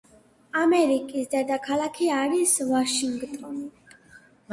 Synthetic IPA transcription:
amɛɾikʼisd̪ɛd̪akʰalˠakʰiaɾisvaʃiŋɡt̪ʼɔn

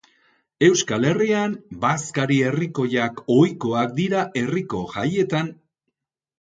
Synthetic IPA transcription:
e̞wskale̞riambaskaɾie̞riko̞ʎako̞jko̞ak̚d̪iɾaʔe̞riko̞ʝaje̞t̪an

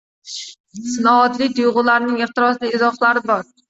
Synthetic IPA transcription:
sɪnɒvat̪lɪk̚ʲt̪ʊjʁʊlaɾnɪŋɪχt̪ɪɾɒslɪɪzɒχlˠaɾɪbɒɾ

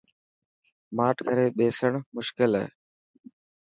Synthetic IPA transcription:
maːʈʰkʰəɾeːɓeːsəɳmʊʃkɪlɦɛ̰ḛː

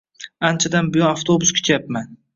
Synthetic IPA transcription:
ant͡ʃʰad̪anbʊjɒnaft̪ʰobʊskʲʰɵ̥t͡ʃʰjapman

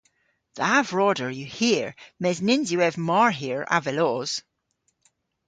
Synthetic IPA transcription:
ðavɹɔdəɹjəhiəɹmɛznɪnzjəɛvmaɹɦiəɹa̰vɛlɔz̥

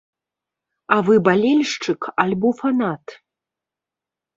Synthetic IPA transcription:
avɨbalʲɛlʲʂt͡ʂɨkalʲbɔfanat̪

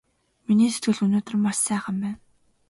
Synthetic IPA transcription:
miniːset̪̚ɡɘ̆ɮɵnoːt̪̆rmːasːæːχə̆mpæːn

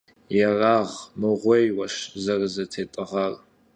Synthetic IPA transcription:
jɛraːʁmɨʁʷejwɐʃzɐrzɐtʰeːtʼɨʁɐr

